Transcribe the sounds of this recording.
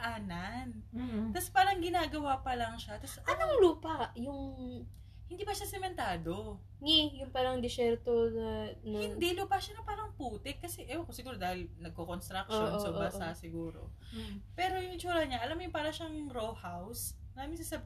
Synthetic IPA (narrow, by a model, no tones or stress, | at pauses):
ʔaːnant̪ɐspaːɾɐŋɡɪnaːɡɐwapɐlɐŋʃat̪asʔɐnomluːpaʔjʊŋ | hɪnd̪iːpɐʃasɛmɛnt̪aːd̪o̞ | ŋɛjʊŋpaːɾɐŋd̪ɪsɛɾt̪onɐnɐɪnd̪iluːpaʔʃanɐpaːɾɐŋpuːt̪ɛkːɐsɛʔɛwakosɪɡuːɾod̪aːhɪlnɐɡ̚kokonst̪ɾɐk̚t͡ʃoonsobasasɪɡuːɾo̞̰ | pɛːɾojʊŋɪt͡ʃuːɾɐɲaʔɐlamjʊŋpaːɾɐʃaŋɾohaws | ɾaːmɪŋsɐsɐb